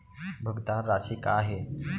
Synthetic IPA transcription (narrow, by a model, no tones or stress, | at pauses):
bʱəɡd̪ãnɾaɕikaaɦe